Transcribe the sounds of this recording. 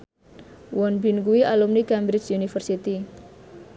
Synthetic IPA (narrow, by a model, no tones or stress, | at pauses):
wɔnbinkuwiʔalumnikɛmbɾɪt͡ʃunifərsit̪i